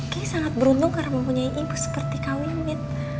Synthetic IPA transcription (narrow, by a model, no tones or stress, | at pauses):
kisaŋat̪̚bəɾund̪ʊŋkaɾaʔməmpuɲaiʔimpusə̥pərt̪ikawinɪt̪̚